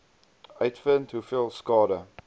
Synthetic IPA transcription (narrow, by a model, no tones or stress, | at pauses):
aɪtfə̃ntʰhufilˠskɔːɾə